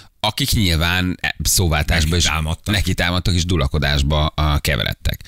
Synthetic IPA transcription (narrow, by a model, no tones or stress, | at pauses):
ɒkikɲilvaːnsoːvaːlt̪aːʒbɒeːʃaːmɒt̪ːnɛkit̪aːmɒt̪ːɒkeːʒd̪ulɒko̞d̪a̰ːʒbɒkɛvɛ̰lʔɛ̰t̪ːɛ̰k